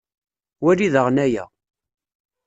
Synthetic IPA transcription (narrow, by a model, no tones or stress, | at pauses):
wæliðəʁnæjæ̰